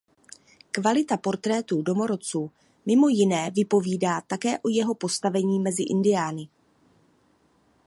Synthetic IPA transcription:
kvalɪt̪apo̞ɾt̪ɾɛːt̪udo̞mo̞ɾo̞t͡suː | mɪmo̞jɪnɛːvɪpo̞viːdaːt̪akɛːʔo̞jɛɦo̞po̞st̪avɛɲiːmɛzɪʔɪ̰ndɪjaːnɪ

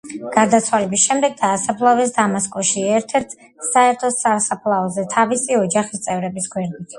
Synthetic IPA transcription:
ɡ̥aɾd̪at̪sʰwalɛbisʃɛmd̪ɛɡ̚d̪aːsapʰlˠavɛs̬d̪amaskʼɔʃiɛɾt̪ʰɛɾt̪ʰ | saɛɾt̪ʰɔsasapʰlˠaɔzɛt̪ʰavisiɔd͡ʒaχist̪sʼɛvɾɛbisɡwɛɾd̪it̪ʰ

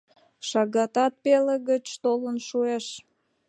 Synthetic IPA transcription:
ʃɑɣɑt̪ɑt̪̚peleɣət͡ɕt̪olənʃueʃ

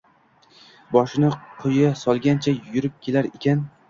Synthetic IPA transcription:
bɒʃɪnɪqʰʊjasɒlˠɡʲant͡ʃʰajjʊɾɪp̚kʲʰe̞laɾekʲʰan

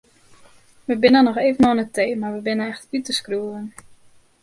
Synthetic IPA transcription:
ʋəbɪnənɔxeːvənɔnətʰeːmarʋəbɪnəɛxtʋytəskruəən

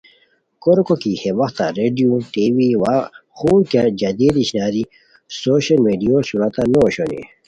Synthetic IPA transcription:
koɾkokiheʋɐxt̪a̰ɾeːɖijuʈiwiwaxuːkad͡ʑɐd̪id̪iɕnaːɾi | soːɕɐlmeːɖijosuɾɐt̪anoɕonḭ

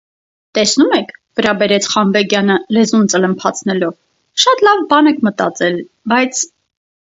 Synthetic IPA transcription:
t̪ɛsnumɛkʰvəɾɑbɛɾɛt͡sʰχɑnvɛɡjɑnəlɛzunt͡sələmpʰɑt͡sʰnɛlɔv | ʃɑt̪lɑvbɑnɛkʰmət̪ɑ̰t͡sɛl | bɑjt͡sʰ

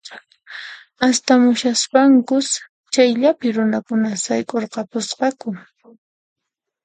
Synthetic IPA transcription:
ast̪amʊʃaspaŋkʊs | t͡ʃajʎapɪɾʊnakʊnasajkʼoɾqɑpʊsqɑkʊ

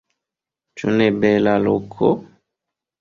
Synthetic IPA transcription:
t͡ʃunɛbɛlalokʰo

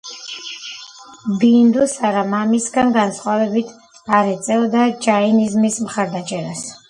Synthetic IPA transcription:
bind̪usaɾamamisɡanɡansχwavɛbit̪ʰ | aɾɛt̪sʼɛld̪ad͡ʒainizmismχaɾd̪at͡ʃʼɛɾas

